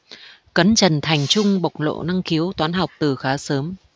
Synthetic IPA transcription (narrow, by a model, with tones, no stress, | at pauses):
kə˨˦nt͡ɕə˨˩nt̪ʰa˨˩jŋ̟t͡ɕʊ˧ŋ͡mɓa˨˩wk͡p̚lo̰˧˨na˧ŋki˨˦əwt̪waː˨˦nɦa˨˩wk͡p̚t̪ɨ˨˩xaː˨˦səː˨˦m